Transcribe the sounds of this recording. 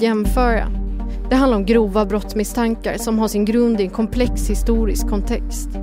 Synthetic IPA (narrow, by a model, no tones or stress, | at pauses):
jɛmfœːɾa̰d̪̥ɛɦand̪aɾɔmɡɾuːvabɾɔt̪smɪst̪ʰaŋka̰ɾʂɔmɦaʂɪnɡɾɵnd̪ɪɛnkʰɔmpʰlɛkshɪst̪uːɾɪskʰːɔnt̪ʰɛkst̪